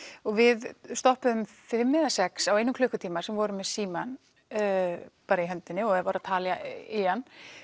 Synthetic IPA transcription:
ɔɣvɪðst̪ɔhpʏʏmfɪmːɪðasɛksawejnʏmkʰlʏhkʏt̪ʰiːmasɛmvɔɾʏmɛðsiːman | paːɾaiɦœnt̪ɪnːɪɔɣɛvaɾat̪ʰaːljaɪjanː

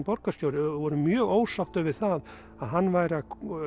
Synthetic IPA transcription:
pɔɾkasc̪joːwɾɪvɔɾʏmjœːɣoːwsawt̪œvɪɾ̥θað | aðɦanːvajɾa

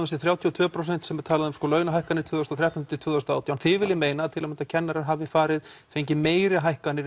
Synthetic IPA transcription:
ʏnst̪ɪθɾjawt̪ʰjiɔt̪ʰvœːpʰɾowsɛn̥t̪sɛmɛɾt̪ʰaːlaðʏʏmskɔlœɥnaɦajhkanɪɾt̪ʰvʏːðɔst̪ɔθɾɛht̪ant̪ːɪt̪vʏːðɔst̪aaːwt̪jawnθɪvɪlːɪmeːjnaːt̪ʰɪlamɛnt̪acʰɛnːaɾaɾɦavðɪfaːɾɪðfejɲcɪmeːjɾɪɦajhkanːɪɾ

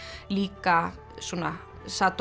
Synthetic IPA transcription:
likːɑ | sunɑ | sat̪

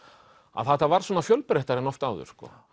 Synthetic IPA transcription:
a̰ðθaht̪avaɾ̥swɔːnafjœlpɾeht̪aɾɛnɔft̪awðʏ̰ɾ̥skɔ̰ː

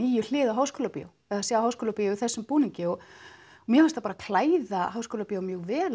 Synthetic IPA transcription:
iːjʏl̥ɪːðaɦaːwskoːlapḭa̰w | ɛðasaːahawskoːlapiːjaɪθɛsːʏmpuːniɲcɪɔɣ | mjɛhast̪apaɾakʰl̥aːjðahawskoːlapijawmjœːɣvɛːl

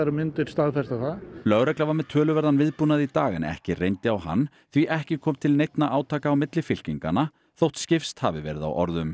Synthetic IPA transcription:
ɾɪmɪnt̪ɪɾ̥st̪aɣfɛst̪aθaðlœɣɾɛklavaɾmɛðt̪ʰœːlʏvɛɾðanvɪðpunaðit̪aːɣɪnɛ̰hcɪrejnt̪ɪawha̰nː | θviʔɛhcɪkʰɔːmt̪ʰɪlnejt̪naʔaːwt̪ʰaːkaːwmɪt̪lɪfɪl̥ciŋka̰nːa | θowht̪scɪfst̪havɪvɛ̰ːɾɪða̰wʔɔ̰ɾðʏm

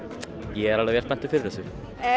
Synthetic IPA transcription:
jɛɛɾalavjɛɾst̪ɛn̥t̪ʏfɪɾɪɾðɛsʏ

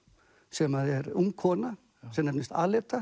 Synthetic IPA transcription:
sɛmaðɛɾumkʰɔːna | sɛmnɛpnɪst̪a̰ːlɛːt̪a

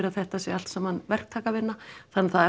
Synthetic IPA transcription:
ɾaθɛht̪asjɛal̥t̪samanvɛr̥kt̪ʰaːkavɪnːaθanːaθaðɛ

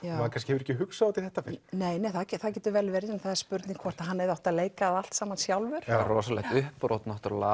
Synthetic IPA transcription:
aːakʰanscɪhɛvɾɛhcːɪɦʏksaat̪ɪθɛht̪afɪɾneːjneːjθaðcɛθaðcɛːt̪ʏvɛːlvɛɾjɛnθaðaɾspʏɾt̪niŋkʰvɔɾ̥t̪aɦanːɛðaht̪aðleːjkaːðal̥t̪saːmansjawlvʏɾ̥ɾɔːsalɛ̰ɣt̪ʏhpɾʔowt̪nɔht̪ʏɾla̰

